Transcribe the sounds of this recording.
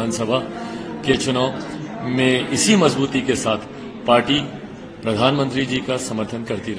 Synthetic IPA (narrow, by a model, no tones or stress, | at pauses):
aːnsəbʱaket͡ʃʊnaːʊmẽɪsimɐzbuːt̪ikesaːt̪ʰ | paːɾʈi | pɾɐd̪ʱaːnmə̃nt̪ɾid͡ʒiːkasɐməɾt̪ʰənkɐɾt̪iɾɐ